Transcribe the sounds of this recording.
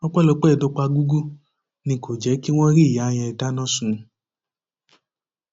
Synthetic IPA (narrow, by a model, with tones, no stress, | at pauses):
ɔ˦k͡pɛ˦lo˧˦k͡pɛ˦˨do˨˧k͡pa˧ɡu˦ɡu˦ | nĩ˧ko˨d͡ʒɛ˨˦ki˦w̃ɔ̃˦ɾi˦˨ja˨˦j̃ɛ̃˧i˨ta˦nɔ̃˦sũ˨˧